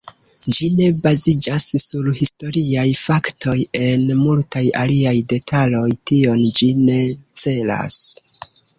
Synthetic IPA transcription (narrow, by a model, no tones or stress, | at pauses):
d͡ʒine̞bazid͡ʒasːuɾhisto̞ɾiajfaktʰo̞je̞nmultajaliajde̞tʰalo̞jtio̞nd͡ʒine̞t͡se̞la̰s